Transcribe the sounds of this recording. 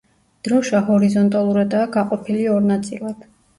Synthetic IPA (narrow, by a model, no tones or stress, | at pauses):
d̪̥ɾɔʃahɔɾizɔnt̪ʼalˠuɾad̪aːɡaqʼɔpʰiliɔɾnat̪sʼilˠad̪̥